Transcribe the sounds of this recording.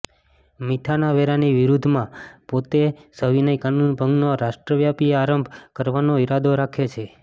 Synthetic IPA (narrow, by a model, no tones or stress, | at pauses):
mit̪ʰanaʋɛɾaniʋiɾud̪ʱmãpot̪esəʋinəjkanunbʱəŋɡnoɾaʃʈɾəʋjapieaɾəmbʱkəɾʋanoiɾad̪ʱoɾakʰet͡ʃʰe